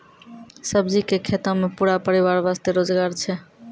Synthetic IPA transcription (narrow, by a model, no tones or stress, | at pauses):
səbd͡ʒikekʰet̪əmepuɾapəɾiβaɾʋast̪eɾod͡ʒɡaɾt͡ʃʰɛ